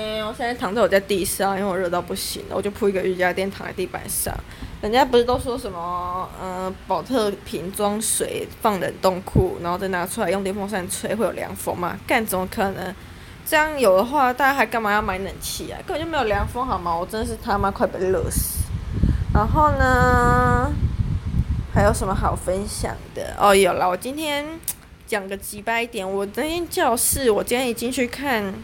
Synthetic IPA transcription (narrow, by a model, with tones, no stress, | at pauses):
e˧˩wɔ˨˩ɕjɛ˥˧n˥˩t̪ʰɑ˨ŋt͡sa˥˩ɪwɔ˨˩t͡sa˥˧ɪt̪i˥˧˩sɑ˥˩i˥we˥˩wɔ˨˧ɻɤ˥˧t̪ɑ˥˧ʊpu˥˩ɕḭ˦ndə̰˨wɔ˨˩t͡ɕjo˥˧ʊpʰu˥i˧˥ɡə˧y˥˩t͡ɕja˥ə˧t̪jnt̪ʰɑ̰˨˦ŋa̰˧t̪i˥˩pa̰˨˩nʂɑ̰˥˩ŋ | pə˨˩nt͡ɕja˥p̬u˧˥ʂɻ̩˥t̪ɑ˥˩ʊʂ̬wɔ˦˥ʂə˨˦nmə˧˦ə˨˩pɑ˨˩ʊt̪ʰɤ˥˧pʰi˧˦˥ŋt͡swɑ˥ŋswe˨˩ɪfɑ˥˩ŋɻə̰˨˦nt̪o˥˧ŋkʰu˥˩n˨˧˦xo˥˧ʊt͡sna˧˥˧t͡sʰu˥la˧˥ɪjŋt̪jfɑ˥ŋʂa˥˧˩nt͡sʰwe˥˩ɪxwe˥˩ɪjo˨˩˨ljɑ̰˧˥˦ŋfo̰˥ŋma̰˨ka˥˩nʂə˨˩mə˧˦kʰɤ˨˩nə˧˦ŋ | ʈ͡ʂɤ˥˧jɑ˥˩ŋjo˨˩ʊd̪ə˦xwa˥˧t̪a˥˩t͡ɕa˥xa˧˥ɪka˥˩nma˨˥˩jɑ˥˩ma˧˥ɪnə˨˩nt͡ɕʰi˧˥a̰˨˩kə˥˩˨ə˨t͡ɕo˥˩me˧˥jo˨ljɑ˧˥ŋfo˥ŋxɑ˨˩ʊma˨wɔ˨˩ʈ͡ʂə˦˥nd̪ə˨ʂɻ̩˥˧˩t̪ʰa˥ma˧˥kʰwa˥˩ɪpə̰˧˥˩lṵ˨˩s | na˧˥nxo˥˩ʊnə˩ | ha˧˥ɪjo˨˩ʊʂə˧˦mə˧xɑ˨˩ʊfə˦nɕjɑ̰˨˩ŋd̪ə̰˨˦ʔɔ̰˥˩jo˨˩la˧wɔ˨˩t͡ɕi˦˥nt̪ʰjɛ˥n | ljɑ˨˩ŋɡə˨t͡ɕi˧˥pa˥˧ɪi˥˩t̪jɛ˨˩nwɔ˨˩a˥˩t̪ʰjɛ˥nt͡ɕjɑ˥˧ʊʂɻ̩˥˩wɔ˨˩t͡ɕi˥nt̪ʰjɛ˥ni˨˩t͡ɕi˦ŋt͡ɕʰy˥˧kʰa˥˩n